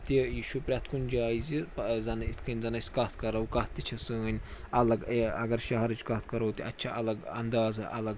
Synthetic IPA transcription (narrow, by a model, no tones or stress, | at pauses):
t̪ijiʃupɾʲat̪ʰkunʲd͡ʒaːizipzɐnɐit̪ʰkɐnʲzɐnɐsʲkɐt̪ʰkɐɾɐwkɐt̪t̪ʲːit͡ʃʰɐsɨɐnʲɐlɐɡɐɡɐɾʃɐɦɐɾɨd͡ʒkɐt̪ʰkɐɾɐwt̪iʔɐtːt͡ʃʰɐʔɐlɐɡɐnd̪aːzɐʔɐlɐɡ